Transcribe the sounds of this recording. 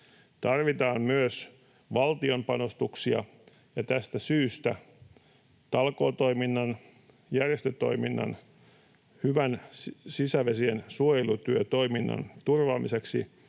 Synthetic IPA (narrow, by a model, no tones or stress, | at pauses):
t̪ɑrʋit̪ɑːmmyøs | ʋɑlt̪io̞mpɑno̞st̪uksiɑ̰ | jɑt̪æst̪æsyːst̪æ | t̪ɑlko̞ːt̪oiminːɑn | jærjest̪øt̪o̞̰iminːɑ̰n | hyʋænsisæʋesiensuojelut̪yøt̪o̞iminːɑ̰nt̪urʋɑːmise̞ksḭ